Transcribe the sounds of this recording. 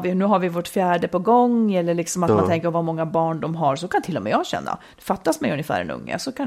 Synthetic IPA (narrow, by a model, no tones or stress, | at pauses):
vɪnʉ̟ːɦaɾvɪvoʈfjæːɖəpɔɡɔŋːɛlːəɭɪksɔmat̪mant̪ʰɛŋkəɾpɔvaɾmɔŋːabɑːɳɖɔmɦaɾʂɔkʰant̪ɪlːɔmɛ̰ːjɑɡɕɛ̰nːa̰d̪̥ɛfat̪ːasmɛjɵnjəfæ̰ːɾɛ̰nɵ̰ŋːə̰sɔkʰan